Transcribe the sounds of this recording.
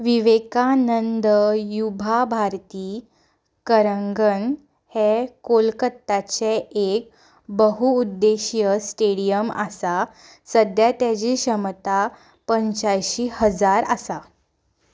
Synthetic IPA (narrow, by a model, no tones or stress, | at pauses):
ʋiʋekanənd̪əjubʱabʱaɾt̪iː | kəɾəŋɡən | hekolkət̪ːat͡ɕeek̚ | bəɦuːd̪ːeɕjəsʈeɽijəmasa | səd̪jat̪jad͡ʑiɕəmt̪a | pəɲt͡ɕajɕiːhəd͡zaɾasa